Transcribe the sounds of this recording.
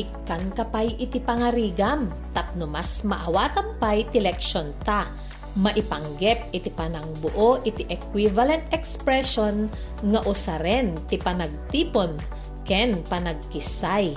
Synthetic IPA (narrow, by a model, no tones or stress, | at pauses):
ʔɪkːankɐpajʔɪt̪ɪpɐŋɐɾiːɡam | t̪ɐp̚nʊmasmɐʔɐwat̪ɐmpajt̪ɪlɛkʃont̪a | mɐʔɪpɐŋɡɛp̚ʔɪt̪ɪpanɐŋbʊʔoʔɪt̪ɪʔɛkwivɐlɛnt̪ɛkspɾɛʃon | ŋɐʔʊsaɾɛnt̪ɪpɐnɐɡ̚t̪iːpon | kɛnpɐnɐɡ̚kɪsaj